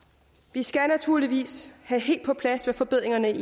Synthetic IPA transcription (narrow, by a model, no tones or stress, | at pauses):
ʋisɡ̥ænæt͡sʰuɐ̰liʋḭːshæɦe̝̰ːld̥pʰɒ̽pʰlæsʋefɒ̽b̥e̝ð̰ˠʁeŋɐnə